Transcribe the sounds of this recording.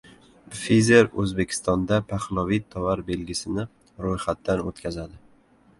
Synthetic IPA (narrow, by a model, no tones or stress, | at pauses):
fizeɾɵ̰zbe̞kʲʰɪ̥st̪ɒnd̪apʰaχlˠɒvit̪ʰːɒvaɾbe̞lɡʲɪsɪnɪ | ɾojχat̪ːanot̪kʰʲazad̪ɪ